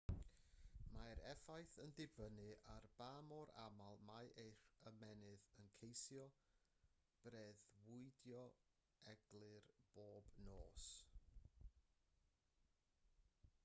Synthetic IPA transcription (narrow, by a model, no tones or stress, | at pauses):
majɾɛfajθəndɪbənɨʔarb̥aːmɔɾa̰malˠmajʔejrəmɛnɨðənkʰejsjɔ | b̥reðwʊɨdjɔ | ɛɡlˠɨrb̥oːbnoːs